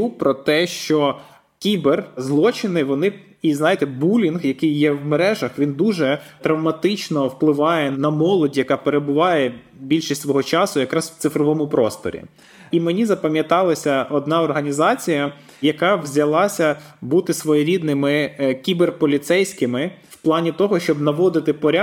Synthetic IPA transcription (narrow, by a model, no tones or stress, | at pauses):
upɾɔt̪ɛʃt͡ʃɔ | kʲiberzlˠɔt͡ʃɪnɪʋɔnɪ | iznɑjɪt̪ɛbulʲinɣjɐkɪjːɛwmeɾɛʒɐxʋʲind̪uʒɛt̪ɾɐwmɐt̪ɪt͡ʃnɔwplˠɪʋɑjɛnɐmɔlˠɔdʲjɐkɑpeɾebʊʋɑjɛ | bʲilʲʃistʲsʋɔɦɔt͡ʃɑsʊjɐkɾɑzʋ̥t̪sɪfɾɔʋɔmʊpɾɔst̪ɔ̰ɾʲḭ | imenʲizɐpɐmʲjɐt̪ɑlˠɐsʲɐɔd̪nɑɔrɦɐnʲizɑt͡sʲijɐ | jɐkɑʋzʲɐlˠɑsʲɐbut̪ɪsʋɔjɔɾʲid̪nɪmɪkʲiberpɔlʲit̪sɛjsʲkɪmɪwplˠɑnʲit̪ɔɦɔʃt͡ʃɔbnɐʋɔd̪ɪt̪ɪpɔɾʲa